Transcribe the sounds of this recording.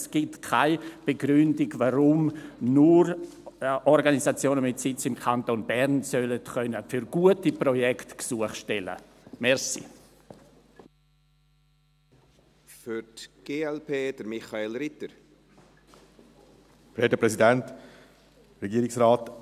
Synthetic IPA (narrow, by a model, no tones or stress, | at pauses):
sɡ̥ɪtkʰaɪb̥eɡɾʏndɪɡvaɾʊmnʊɾ | ɔɾɡanizat͡sjoːnəmɪtsɪt͡sɪmkʰantonbɛɾnsœlətχœnəfyɾɡ̥uətiprɔjɛktksuəχʃtɛlə̰ | mɛɾsḭ | fyɾtɡ̥eːɛlpeːd̥əɾmɪχaelɾɪtəɾ | fɾedəpɾɛsidɛnt | rɛɡiːɾɪksɾaːt